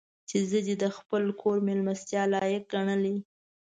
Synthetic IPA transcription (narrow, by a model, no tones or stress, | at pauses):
t͡ʃezəd̪ed̪əxpəlkʰoɾmelmast̪jɑlɑjək̚ɡaɳəli